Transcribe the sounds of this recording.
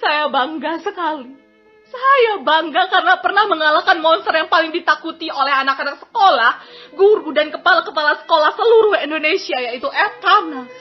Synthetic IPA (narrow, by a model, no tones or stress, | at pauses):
sajabaŋɡasəkali | sajabaŋɡakaɾənapərnahməŋalakanmɔnst̪ərjaŋpalɪŋdit̪akut̪iolɛɦanakanaksə̥kolahɡuɾudankəpalakəpalasə̥kolahsəluɾʊhɛndonesiajait̪uʔɛt̪ana